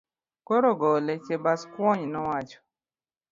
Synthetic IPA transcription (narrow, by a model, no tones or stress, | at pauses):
koɾoɡɔlet͡ʃebaskwɔɲnɔwat͡ʃɔ̥